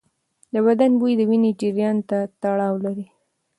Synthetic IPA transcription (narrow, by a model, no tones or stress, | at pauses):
d̪əbad̪anbujid̪əwined͡ʒɪɾjɑnt̪at̪aɽɑwlaɾi